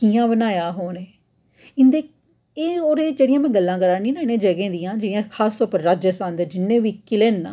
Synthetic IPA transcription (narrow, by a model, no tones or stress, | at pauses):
kiːãːbənaːjaːɦoːneː | ɪnd̪eː | eːoːɾeːd͡ʒeːɽɪijãːmɛ̃ːɡəlːãːkəɾaːnĩːnãːɪnẽːd͡ʒəɡẽːd̪ijãːd͡ʒeːɽɪjãːkʰaːst̪ɔːɾpəɾɾaːd͡ʒəsãːnd̪eːd͡ʒɪnːẽːʋiːkɪleːnːaː